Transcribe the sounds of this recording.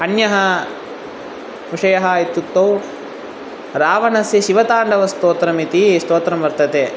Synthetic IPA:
ɐnjɐɦɐ | muʂɐjɐɦɐit̪ːut̪ːɐw | ɾaːʋɐnɐsjɐʃiʋɐt̪aːɳɖɐʋɐst̪oːt̪ɾɐmit̪ist̪oːt̪ɾɐmʋɐɾt̪ɐt̪eː

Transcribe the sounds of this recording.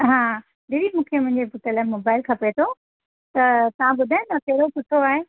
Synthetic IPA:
ɦãː | ɗiɾimũːkʰemʊ̃ɦɪ̃ɲd͡ʑepʊʈəlaːɪmoːbaːɪlkʰɐpet̪ʰo | t̪ɐt̪ɐʋ̤ãbʊd̪ʱaːjõt̪ɐkɐɦɪɽokʊʈʰoaːɦe

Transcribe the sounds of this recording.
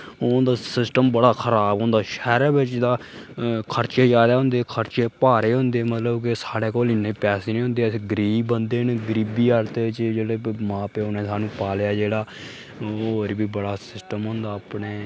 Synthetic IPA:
ʊ̃d̪aːsɪsʈəmbəɽaːkʰəɾaːbɦʊ̃ːnd̪aːʃɛːɾaːbɪt͡ʃd̪aː | kʰəɾt͡ʃeːd͡ʒaːd̪aːɦʊ̃nd̪eːkʰəɾt͡ʃeːpaːɾeːɦʊ̃nd̪eːmət̪ləbkɪsaːɽeːkoːlɪnːeːpɛːseːniːɦʊ̃nd̪eːɡɾiːbənd̪eːnɡɾiːbiːaɾt̪eːɪt͡ʃd͡ʒeːɽeːmãːpeoːnẽːsaːnũːpaːljaːd͡ʒeːɽaː | oːɾbiːbəɽaːsɪsʈəmɦʊ̃ːnd̪aːpneː

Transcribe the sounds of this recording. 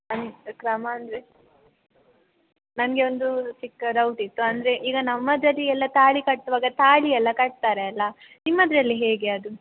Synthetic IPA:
ɐnkɾɐmɐːnd̪ɾe | nɐmɡeond̪ut͡ʃikːɐɾɐwʈit̪ːuɐnd̪ɐɾe̞ʔiːɡɐnɐmːɐd̪ɾɐlːiɛlːɐt̪aːɭikɐʈtʋaːɡɐt̪aːɭiɛlːɐkɐʈ̚t̪aːɾeɐlːɐ | nimːɐd̪ɾɐlːiɦeːɡe̞ɐd̪u

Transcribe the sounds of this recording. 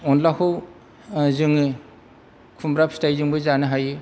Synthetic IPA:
ɔnlakʰɯw | zɯŋɯ | kʰumbɾapʰstajzɯŋbɯzanɯɦajɯ

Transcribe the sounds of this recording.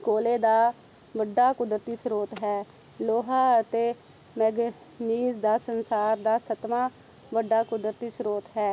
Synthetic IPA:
koːleːd̪aː | ʋəɖːaːkʊd̪ɾət̪iːsɾoːt̪ɦɛː | loːɦaːət̪eː | mɛːɡ | niːzd̪aːsənsaːɾd̪aːsət̪maː | ʋəɖːaːkʊd̪ɾət̪iːsɾoːt̪ɦɛː

